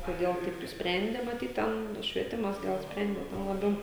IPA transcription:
koːˈdʲeːlˠ ˈtɐɪp nʊsʲpʲˈrʲɛnʲdʲeː mɐˈtʲiːt ˈtʲɛn ʃʲʋʲiɛˈtʲɪmɐs ˈɡɐlˠ ˈsʲpʲrʲɛnʲdʲeː ˈtʲɛn lˠɐˈbʲɛʊ

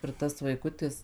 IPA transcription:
ɪr ˈtɐs ʋɐɪˈkʊtʲɪs

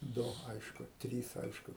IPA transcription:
ˈdʊ ˈɐɪʃkʊ ˈtʲrʲiːs ˈɐɪʃkʊ

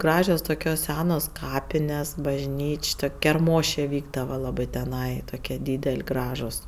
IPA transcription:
ˈɡrɑːʒʲoːs ˈtʊkʲoːs ˈsʲæːnoːs ˈkɑːpʲɪnʲɛs bɐʒʲˈnʲiːt͡ʃʲ ˈtʊkʲ kʲɛrˈmoːʃʲeː ˈʋʲiːɡdɐʋɐ ˈlˠɑːbɜ tʲɛˈnɐɪ ˈtoːkʲiɛ ˈdʲiːdʲɛlʲ ˈɡrɑːʒʊs

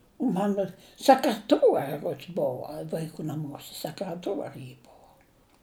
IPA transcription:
ˈmɑːnoː sʲɛkrʲɛˈtuɔrʲɪ ˈruɔts ˈbʊʋɐ ʋɐɪˈkuː nɐˈmuɔsʲɛ sʲɛkrʲɛˈtuɔrʲɪ jɪ ˈbʊʋoː

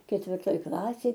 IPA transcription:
kʲɛtʲʋʲɪrˈtoːj ˈklˠɑːsʲeːj

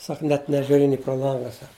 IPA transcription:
ˈsɐk nʲɛt nʲɛʒʲʊˈrʲɪ nʲɪ proː ˈlˠɐŋɡɐ ˈsɐk

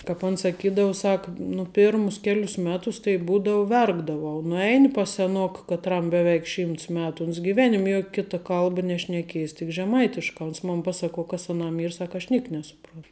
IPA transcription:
kɑːp ˈɐn sɐˈkʲiːdɐʊ ˈsɐk nʊ ˈpʲeːrmʊs ˈkʲæːlʲʊs ˈmʲæːtʊs tɐɪ ˈbuːdɐʊ ˈʋʲɛrɡdɐʋɐʊ nʊˈɛɪnʲɪ pɐs sʲɛˈnoːkɐ kɐtˈrɐm bʲɛˈʋʲɛɪk ˈʃʲiːmts ˈmʲæːtʊ ʊns ɡʲɪˈʋʲæːnʲɪmʲ ˈjoːk ˈkʲɪtɐ ˈkɐlˠbɐ nʲɛʃʲnʲɛˈkʲiɛjɪs tʲɪk ʒʲɛˈmɐɪtʲɪʃkɑː oːns ˈmoːn ˈpɑːsɐˌkuɔ ˈkɐs ɐˈnɐm ˈiːr ˈsɐk ɐʃ ˈnʲiɛk nʲɛsʊˈproːn

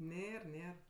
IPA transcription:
ˈnʲeːr ˈnʲeːr

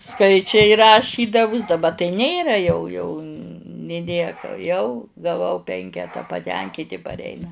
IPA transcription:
ˈskɐɪt͡ʃʲɛɪ rɐˈʃʲiːdɐʋʊs dɐˈbɐ tɐɪ ˈnʲeːrɐ jɛʊ jɛʊ nʲeː ˈnʲiɛkɐ jɛʊ ɡɐˈʋɐʊ ˈpʲɛŋʲkʲɛtɐ pɐˈtʲɛŋʲkʲiːtʲɪ pɐrʲˈɛɪnɐ

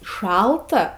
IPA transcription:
ˈʃɐlˠtɐ

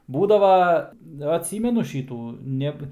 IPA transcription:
ˈbuːdɐʋɐ ɐtʲˈsʲiːmʲɛnʊ ˈʃʲiːtuː ˈnʲɛp

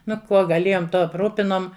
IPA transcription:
ˈnʊ ˈkuɔ ɡɐˈlʲeːjoːm ˈtuɔ ɐpˈruːpʲɪnoːm

